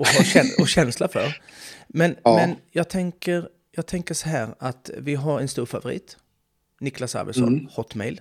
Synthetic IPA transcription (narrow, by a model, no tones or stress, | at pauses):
ɔɦɑɛnɔɕɛnslafœɾmɛnmɛnjɑːɡ̚t̪ʰɛŋkəɾ | jɑːɡ̚t̪ʰɛŋkəʂɔɦæːɾat̪vɪɦaɾɛnst̪uːɾfavʊɾḭːt̪ | nɪklasa̰ɾvə̰sɔ̰nhɔt̪ːmɛɪl